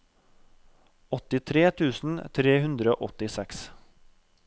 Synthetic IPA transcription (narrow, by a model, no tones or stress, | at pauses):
ɔt̪ɪt̪ʰɾeːt̪ʰʉːsn̩t̪ʰɾeːhʉnd̪ɾəo̰ːʔɔt̪ɪsɛks